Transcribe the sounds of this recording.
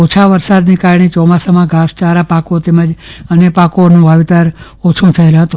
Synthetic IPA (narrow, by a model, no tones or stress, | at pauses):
ot͡ʃʰaʋəɾsad̪nikaɾɳet͡ʃɔmasamãɡast͡ʃaɾapakot̪eməd͡ʒənepakonũʋaʋit̪aɾ | ot͡ʃʰũt̪ʰəelaɦət̪ũ